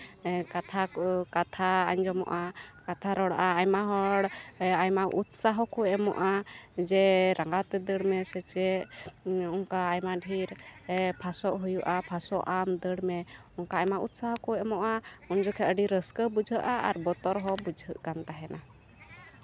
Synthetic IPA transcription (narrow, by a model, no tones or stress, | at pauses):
kat̪ʰakat̪ʰaaɲd͡ʒɔmɔ̰ʔakat̪ʰaɾɔɽʔaajmaɦɔɽajmaʔut̪saɦɔkɔɛmɔ̰ʔad͡ʒɛɾaŋɡat̪ɛd̪əɽmɛsɛt͡ʃɛ | ɔŋkaːjmaɖʱiɾpʰasɔʔɦujuʔapʰasɔʔamd̪əɽmɛ | ɔŋkaːjmaut̪saɦɔkɔɛmɔʔaɔnd͡ʒɔkʰɛəɖiɾəskəbud͡ʒʱəʔaʔa̰ɾbɔt̪ɔɾɦɔbud͡ʒʱəʔɡamt̪aɦɛna